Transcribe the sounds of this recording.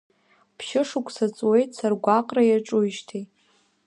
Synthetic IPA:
pʰʃɪʂʊkʷʰʼsat͡sʼwe̞jtʼsarɡʷaqʼrajaʈ͡ʂʼujʃtʰe

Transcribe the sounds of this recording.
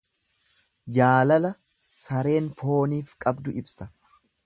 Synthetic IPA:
d͡ʒaːlɐlɐ | sɐɾe̞ːnpo̞ːniːfkʼɐbd̪ʊɪbsɐ

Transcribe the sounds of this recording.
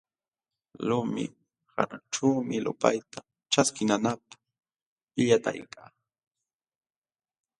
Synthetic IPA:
lʊmɪ̰ | ha̰naʈ͡ʂaːmɪlʊ̰pa̰jt̪a | ʈ͡ʂaskɪnanap̚ḁ | ʎat̪a̰jkaː

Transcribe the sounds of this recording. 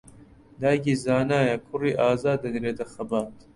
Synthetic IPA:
d̪aːjɡizaːnaːjakʰʊriːʔaːzaːd̪ɐniɾeːd̪ɐxɐbaːt̪

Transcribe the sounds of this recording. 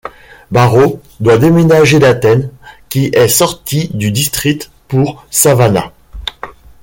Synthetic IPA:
baʁo | d̪wad̪emenaʒelat̪ɛnkʲiʔɛsɔʁt̪id̪yd̪ist̪χit̪ | puʁsavana̰

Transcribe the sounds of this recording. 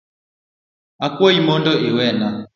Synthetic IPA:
akwoimɔndɔʔewɛna

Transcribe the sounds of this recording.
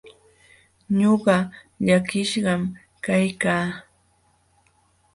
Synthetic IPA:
ɲoɢɑ | ʎakɪʃɢɑm | kajkaː

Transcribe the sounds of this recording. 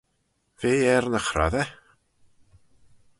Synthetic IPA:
veːɛrnəχra̰ðɛ

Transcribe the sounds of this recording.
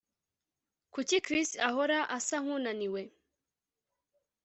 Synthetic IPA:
kucikɾistahoɾaʔasaŋ̥unaniwe

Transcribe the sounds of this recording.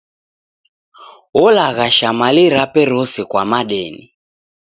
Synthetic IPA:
ɔlaɣaʃamaliɾapɛɾɔsɛkwamaɗɛːnḭ

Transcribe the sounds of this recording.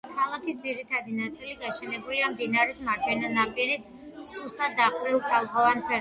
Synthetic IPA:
kʰalˠakʰisd̪ziɾit̪ʰad̪inat̪sʼiliɡaʃɛnɛbuliambinaɾismaɾt͡ʃʰɛnanapʼiɾis | suɾst̪ʰad̪aχɾilˠt̪ʰalˠχʰɔvanpʰɛ

